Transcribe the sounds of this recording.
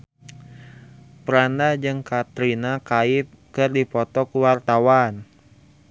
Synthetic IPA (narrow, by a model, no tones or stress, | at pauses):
pəɾandad͡ʒɨŋkat̪ɾinakaɪp̚kɨrdipɔt̪ɔkuwart̪awan